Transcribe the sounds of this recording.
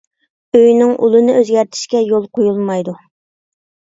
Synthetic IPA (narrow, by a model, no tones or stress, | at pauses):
øjnɪŋʔṵlˠɨnɨʔøzɡʲɛɾt̪ʰɪ̥ʃkʲɛjolˠqʰojulˠmɑjd̪u